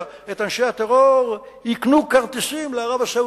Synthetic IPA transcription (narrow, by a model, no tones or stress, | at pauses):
et̪anʃeat̪eʁoʁ | iknukaʁt̪esimleaʁavasa